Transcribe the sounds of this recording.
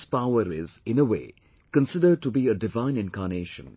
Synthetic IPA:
spaʊəɾɪzɪ̃nəʋḛː | kə̃nsɪɖəɖ̚ʈubiːəɖɪʋãɪ̃nɪ̃nkaːɾneːʃə̰̃n

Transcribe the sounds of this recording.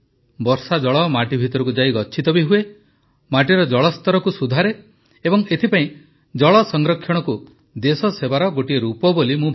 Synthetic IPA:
bɔɾsad͡ʒɔɭɔmaʈibʱit̪ɔɾɔkud͡ʒaiɡɔt͡ʃʰit̪ɔbiɦue | maʈiɾɔd͡ʒɔɭɔst̪ɔɾɔkusud̪ʱaɾe | ebɔŋet̪ʰipaĩ | d͡ʒɔɭɔsɔŋɡɾɔkʰjɔɽ̃ɔku | d̪esɔsebaɾɔɡoʈieɾupɔbolimũbʱ

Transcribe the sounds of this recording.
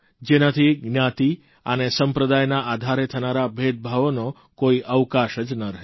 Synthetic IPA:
d͡ʒenat̪ʰiɡnjat̪i | ənesəmpɾəd̪ajnaʔad̪ʱaɾet̪ʰənaɾabʱet̪̚bʱaʋono | koiʔəʋkaʃəd͡ʒnəɾəɦe

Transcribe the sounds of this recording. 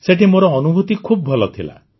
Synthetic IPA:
seʈimoɾɔːnubʱut̪ikʰubɔbʱɔlɔt̪ʰila̰

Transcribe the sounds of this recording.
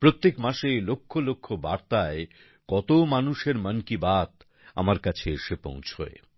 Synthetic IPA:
pɾot̪ːekmaʃelokʰːolokʰːobaɾt̪ae | kɔt̪omanuʃeɾmənkibat̪ | a̰maɾkat͡ɕʰeeʃepõ̰w̃t͡ɕʰo̰ḛ

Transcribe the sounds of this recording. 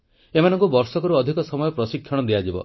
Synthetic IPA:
emanɔŋkubɔɾsɔkɔɾuɔd̪ʱikɔsɔmɔjɔpɾɔsikʰːjɔɽ̃ɔd̪iad͡ʒibɔ̰

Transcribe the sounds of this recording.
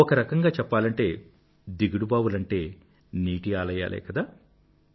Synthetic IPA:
ɔkɐɾɐkɐŋɡaːt͡ʃɛpːaːlɐɳʈe̞ː | d̪iɡuɽubaːwulɐɳʈe̞ː | niːʈiaːlɐja̰ːlɛ̰ːkɐd̪aː

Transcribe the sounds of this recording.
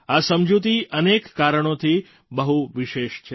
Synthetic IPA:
asəmd͡ʒut̪iʔənekːaɾəɳ̃ot̪ʰi | bəɦuʋɪʃeʃt͡ʃʰe

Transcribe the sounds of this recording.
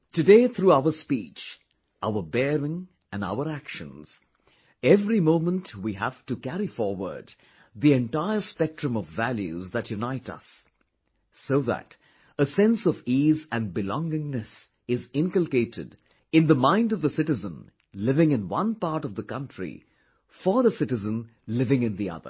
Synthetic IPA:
tɨdeɪθɹuaʊə˞spit͡ʃ | ʔaʊə˞bɛɹɪ̃ŋ | ɨ̃na̰ʊə˞ækʃə̰̃nz̥ | ɛvɹimõʊ̃mə̃ntwiɦæv̥tɨkæɹifɔɹwə̰˞d̪ | ðiɛ̃ntaɪə˞spɛk̚tɹɨ̃mʌvːælˠjʉ̰zðɨtjʉnaɪɾʌ̰sː | oʊðə̰ɾ | əsɛ̃nsʌvizɨ̃nbɨlɔ̃ŋɪ̃ŋnɨs | ɪzɪ̃ŋkəl̩ˠkeɪɾɨ̰d | ɨ̃nðəmãɪ̃ndʌvðəsɪɾɨzə̃n | lɪvɪ̃ŋɨ̃nwʌ̃npɑɹɾʌvðəkʌ̃ntʰɹ̥ḭ | fə˞ðəsɪɾɨzə̃n | lɪvɪ̃ŋɨ̃nðiʌ̰ðə̰˞

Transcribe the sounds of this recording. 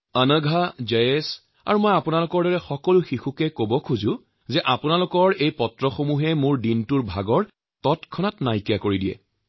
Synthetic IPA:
ənəɡʱad͡ʒejes | a̰ɹumɔjapunalʊkɔɹdɔɹɛxɔkɔluxixukɛkobɔkʰuzʊ̃ | zɛʔapʊnalʊkɔɹejpɔtɹɔxomuɦɛmʊɹdintuɹbʱaɡɔɹ | tɔtkʰɔnatnajkijakoɹidijɛ̰

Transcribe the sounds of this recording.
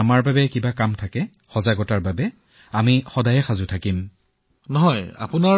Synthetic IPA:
amaɹbabɛkibakamtʰakɛ | xɔzaɡɔtaɹbabɛ | amixɔdajɛxazʊtʰakim | nɔɦɔja̰pʊna

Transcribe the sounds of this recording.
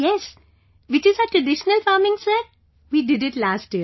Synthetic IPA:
jɛs | ʋɪt͡ʃɪzəʈɾəɖɪʃənəlfaːɾmɪ̃ŋsə | ʋiːɖɪɖɪʈlaːsʈiə

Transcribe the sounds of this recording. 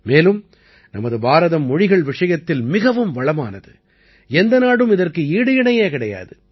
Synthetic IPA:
meːlɯm | nɐmɐðɯbaːɾɐðɐmːɔɻɪɣɐɭʋɪʂɐjɐt̪ːɪlmɪɣɐʋɯmʋɐɭɐmaːnɐðɯ | ɛnd̪ɐnaːɽɯmɪðɐrkɯiːɽɯjɪɳɐjeːkɪɽɐja̰ːðɯ

